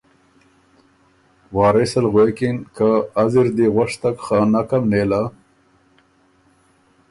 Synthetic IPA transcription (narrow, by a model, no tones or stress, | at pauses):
wɑːɾesalɣwekɪnkaːzɪɾd̪eɣwaʂt̪akxanakamneːla